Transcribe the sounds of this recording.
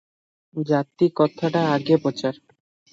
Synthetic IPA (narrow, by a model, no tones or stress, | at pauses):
d͡ʑat̪ːikɔt̪ʰːaʈaaɡepot͡ɕaɾ